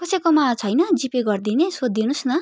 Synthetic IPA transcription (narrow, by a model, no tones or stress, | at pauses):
kʌsekomat͡sʰʌjnʌd͡zipeɡʌrd̪inesod̪ːinusnʌ